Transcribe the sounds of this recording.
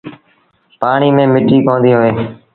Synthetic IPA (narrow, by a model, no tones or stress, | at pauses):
paːɳiːmẽːmɪʈːiːkoːnd̪iːɦoːeː